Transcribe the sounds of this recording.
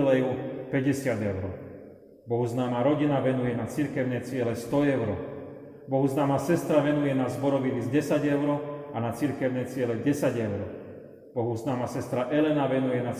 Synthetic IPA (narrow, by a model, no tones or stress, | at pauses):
lɛjupɛɟɛsɪad̪ɛʊɾɔ | bɔɦuznaːmaɾɔɟinaʋɛnujɛnat͡siɾkɛʊnɛt͡sɪɛlɛst̪ɔɛʊɾɔ̰ | bɔɦuznaːmasɛst̪ɾaʋɛnujɛnazbɔɾɔʋinizɟɛsaɟɛʊɾɔanat͡siɾkɛʊnɛt͡sɪɛlɛɟɛsaɟɛʊɾɔ | b̥ɔɦuznaːmasɛst̪ɾaʔɛlɛnaʋɛnujɛna